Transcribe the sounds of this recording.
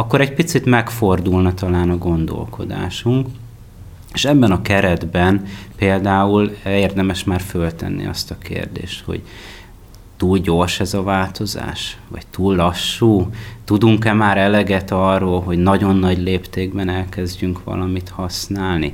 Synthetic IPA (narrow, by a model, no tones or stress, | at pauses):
ɒkːoɾɛɟ̚pit̪sit̪mɛkfo̞rd̪ulnɒt̪ɒlaːnɒɡo̞nd̪o̰lkʰo̞̰d̪a̰ːʃuŋk | eːʃɛbːɛnɒkɛɾɛd̪bɛnpeːld̪aːulɛeːrd̪ɛmɛʃmaːrfølt̪ɛ̰nːḭɒ̰st̪ɒkḛːrd̪ḛːʃt̪ho̞̰ɟ | t̪uːlɟo̞rʃɛzɒvaːlt̪o̞za̰ːʃʋɒ̰ct̪uːlːɒʃːuːt̪ud̪uŋkɛmaːɾɛlɛɡɛt̪ɒrːoːlɦo̞ɟnɒɟo̞nːɒɟleːpt̪eːɡ̚bɛnɛlkɛzɟyŋkʋɒ̰lɒmit̪hɒsnaːlnḭ